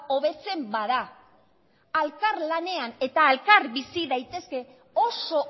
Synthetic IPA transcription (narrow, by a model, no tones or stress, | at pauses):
o̞βe̞t͡se̞mbað̞a | alkaɾlane̞ane̞t̪aːlkaɾβisiðajt̪e̞ske̞ | o̞so̞